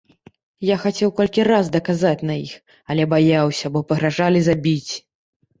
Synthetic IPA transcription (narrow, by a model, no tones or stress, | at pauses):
jaxat͡sʲɛwkɔlʲkʲirazd̪ɐkazat͡sʲnɐix | ɐlʲɛbajawsʲɐbɔpɐɣɾaʐalʲizabʲit͡sʲ